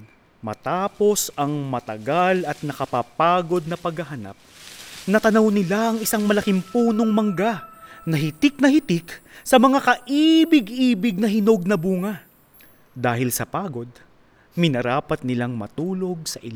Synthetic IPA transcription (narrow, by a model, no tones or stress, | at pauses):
mɐ̰t̪aːpo̞sɐŋmɐt̪ɐɡalɐt̪̚nɐkɐpapaːɡo̞d̪̚nɐpɐɡhɐɦɐna̰p̚nɐt̪ɐnɐwnɪlaʔɐŋɪsaŋmɐlɐkɪmpuːno̞ŋmɐŋɡanɐɦɪt̪ɪk̚nɐhɪt̪ɪksɐmɐŋakɐʔibɪɡʔiːbɪɡ̚nɐɦɪno̞ɡ̚nɐbuːŋɐ | d̪aːɦɪlsɐpaːɡo̞d̪̚ | mɪnɐɾaːpɐt̪̚nɪlaŋmɐ̰t̪uːlo̞ɡ̚sɐʔɪl